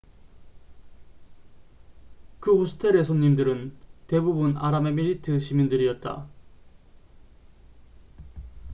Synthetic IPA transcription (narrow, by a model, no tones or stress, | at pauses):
kɯhosʰɯ̥tʰe̞ɾesʰonɲːimdɯɾɯnte̞bubunaɾamemiɾitɯɕʰimindɯɾiʌt̚t͈a̰